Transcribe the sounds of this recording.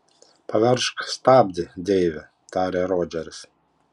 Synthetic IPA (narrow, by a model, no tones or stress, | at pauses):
pɐʋʲɛɾʃkst̪ɑːbʲd̪ʲɪd̪ʲɛːʋʲɛ | t̪ɑːɾʲeːɾoːd͡ʒʲɛɾʲɪs